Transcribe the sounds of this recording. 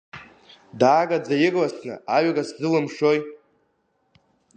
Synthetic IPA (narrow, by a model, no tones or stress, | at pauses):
daːɡad͡zajɪɡʼlasʰnɨ̰aɥaɡaszɨlɨmʃoj